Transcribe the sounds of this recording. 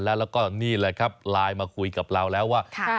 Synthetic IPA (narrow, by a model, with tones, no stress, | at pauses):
nlɛː˦˥wlɛː˦˥wkɔː˥˩niː˥˩lɤː˧˩jkʰa˦˥p̚laː˧jmaː˧kʰu˧jka˨˩p̚ɾa˧wlɛː˦˥wːaː˥˩